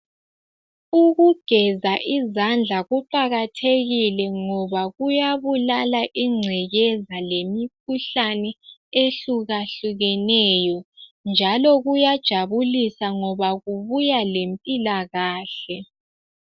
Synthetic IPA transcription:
uɣuɡ̥ʱɛzaʔizand͡ɮʱaɣuǃaɣatʰeɣilɛŋɔβaɣujaβulalaʔiŋ͡ǀʱɛɣɛzalemikʰuɬanɛeɬuɣaɬuɣɛnɛjɔnd͡ʒʱalɔɣujad̥ʒ̥ʱaβulisaŋɔβaɣuβujalempʼilaɣaːɬɛ

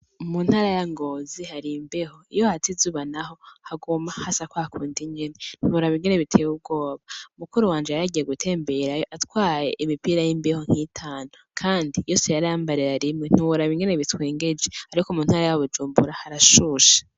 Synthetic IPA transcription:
mun̥haːɾajaŋɡo̞zihaɾimbeho̞ijo̞hatizuβanaho̞haɡumahasakwaakʰuːndiɲɡenen̥uβuɾaβiŋɡe̞ne̞βitʰe̞ːub̚ɡo̞ːβaumukuɾuwaːnd͡ʒeaɾaɟije̞ɡutʰe̞ːmbe̞ɾajoʔatwaːje̞ʔimipiːɾajimbeho̞ŋ̥itʰaːnokʰaːndijo̞ːse̞jaɾaːmbaɾeɾaɾimŋen̥uwuɾaβiŋɡe̞ne̞βitweːŋɡe̞d͡ʒe̞aɾikomuːn̥haːɾajaβud͡ʒuːmbuɾahaɾaʃuʃḁ

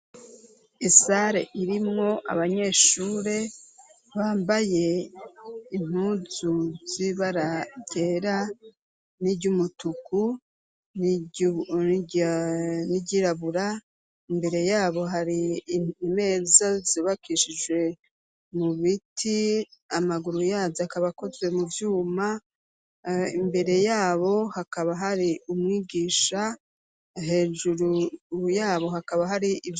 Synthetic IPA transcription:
isaɾe̞̰ʔiɾimŋo̞ʔa̰βaɲe̞ːʃuːɾe̞ | βaːmbaje̞ | im̥uzuz̥iβaɾaɟeɾa | nibɟumutuku | niɟiɾaβuɾa | imbe̞ɾe̞jaːβo̞ɦaɾiime̞ːzaziβakʰiʃid͡ʒwe̞ | muβitʰiamaɡuɾujaːziakaβako̞zɡwe̞muvjuːma | imbe̞ɾe̞jaːβo̞hakaβaɦaɾiumŋiːɡiːʃa | ɦe̞ːʒuɾujaːβo̞ɦakaβaɦaɾiʔiv

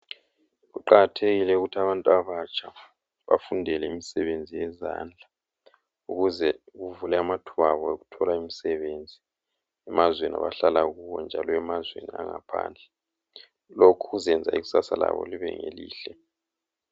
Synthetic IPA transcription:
ɣuǃaɣatʰeɣilɛuɣutʰaβantʼuaβat͡ʃʰʼa | βa̰fundʱɛlɛimisɛβend͡zʱijɛzand͡ɮʱa | uɣuzɛɣuvulɛamatʰuβaβɔeɣutʰɔlaimisɛβend͡zʱi | ɛmazwenia̰βaɬalaɣuwɔnd͡ʒʱalɔɛmazwḛniaŋapʰa̰ːnd͡ɮʱɛ | lokʰuɣuzɛnd͡zʱaiɣu̥sasala̰βɔ̰liβɛ̰ŋelḭːɬɛ

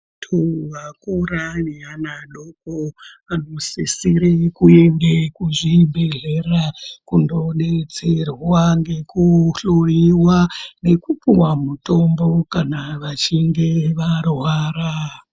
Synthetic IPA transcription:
tʰuʋakuranianaɗoko | anosisiɾekuendekuʐibeɮe̞rakundo̞ɗe̞t͡serwaŋɡe̞kuɬuriwane̞kupuwamuto̞mbo̞kanaʋat͡ʃiŋɡe̞ʋarwaːra

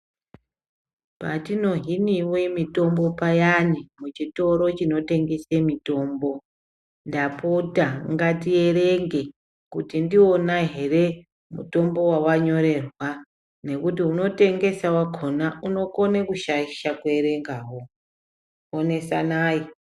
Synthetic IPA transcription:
patino̞ɦiniwemito̞mbo̞pajanimut͡ʃito̞ɾo̞t͡ʃino̞te̞ŋɡe̞semito̞ːmbo̞ | ndapotaŋɡatie̞ɾeŋɡe̞ | kutindio̞naɦe̞re̞ | mṵto̞mbo̞wawaɲo̞ɾe̞rwa | ne̞kutiuno̞te̞ŋɡe̞sawakʰonauno̞konekuʃaiʃakuweɾe̞ŋɡaːwo | one̞sanaːji

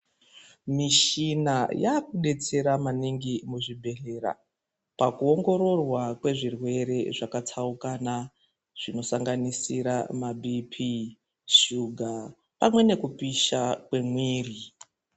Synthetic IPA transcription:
miʃinajaːkuɗe̞t͡se̞ɾamaniŋɡimuʐibʱe̞ɬe̞ra̰ | pakuo̞ŋɡo̞ɾo̞rwakwe̞ʐirwe̞ɾe̞ʐakat͡sʰaukana | ʐ̥ino̞saŋɡanisiɾamabʱipʰi | ʃuɡʱa | pamwe̞ne̞kupiʃakwe̞mwiːri

